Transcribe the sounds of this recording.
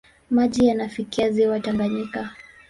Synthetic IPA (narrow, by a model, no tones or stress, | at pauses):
maʄijanafikiaziwataŋɡaɲika